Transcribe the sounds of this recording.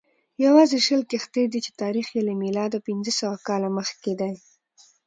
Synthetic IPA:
jawɑzeʃəlkext̪ed̪it͡ʃe̥t̪ɑɾixjelemilɑd̪opinzəsawakɑlaməxked̪aj

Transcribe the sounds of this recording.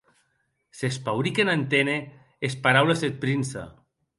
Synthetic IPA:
sespawɾikenant̪ene | espaɾawlezet̪̚pɾinsa̰

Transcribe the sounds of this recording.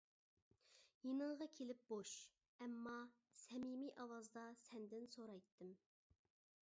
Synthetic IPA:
jenɨɴʁɑkʲʰelɪp̚boʃ | ɛmːɑ | sɛmimiʔɑwɑzd̪ɑsɛnd̪ɪnsoɾɑjt̪ʰːɨm

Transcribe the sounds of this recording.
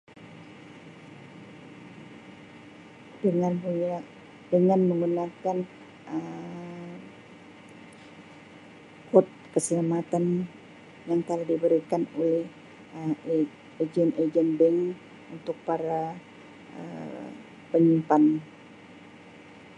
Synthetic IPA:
dəŋanua | dəŋanməŋɡunakan | ə | kɔt̪̚kəsəlamat̪an | jaŋt̪əlahdibəɾikanolɛh | ə | ed͡ʒɛned͡ʒɛnbɛŋ | unt̪ʊk̚paɾa | ə̰ | pəɲimpan

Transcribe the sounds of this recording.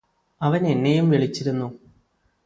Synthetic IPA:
ɐʋɐne̞nːejumʋiɭit͡ɕːiɾunːu

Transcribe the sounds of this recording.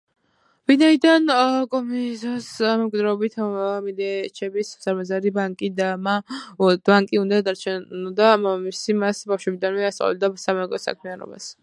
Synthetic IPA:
vinaid̪ankʼɔmizɔsmɛmkʼid̪ɾaɔbit̪ʰmilɛt͡ʃʰɛbissaɾmazaɾibaŋkʼid̪amad̪aŋkʼiũnd̪ad̪aɾt͡ʃʰɛd̪amisimasbafʃwɛbid̪anmɛast̪ʼa̰wɛ̰ld̪asamɛkʼɔsa̰kʰmianɔ̰ba̰s

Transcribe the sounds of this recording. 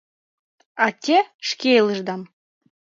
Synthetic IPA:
ɑt̪ʲeʃkʲelˠəʒd̪ɑm

